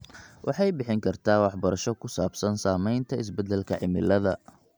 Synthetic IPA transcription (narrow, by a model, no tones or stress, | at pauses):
wʔɑħɑjbɪħɪŋkʰɐrt̪ʰaːwɑħbɐɾɐʃɔkʰʊsaːbsɐnsaːmɛjnt̪ʰɐɪs̬bɛd̪ɛlkʰɐʕɪmɪlɐðɐ